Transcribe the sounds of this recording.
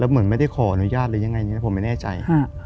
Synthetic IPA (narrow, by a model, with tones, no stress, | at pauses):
lɛː˦˥wmɯ˩˦ə˦nma˥˩jda˥˩jkʰɔː˨˩ʔa˧nu˦˥jaː˥˩t̪̚lɤː˧ja˧ŋa˧jniː˦˥˦pʰo˩˦ma˥˩nɛː˥˩t͡ɕa̰˧jʰa˥˩